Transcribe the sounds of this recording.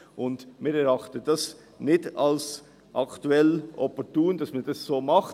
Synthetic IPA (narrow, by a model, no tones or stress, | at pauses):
ʔʊndmɪɾɛɾɑχtəd̥ɑs | nɪtals | ʔɑktuɛlʔɔpɔtuːnd̥ɑsmand̥ɑssoːmɑχ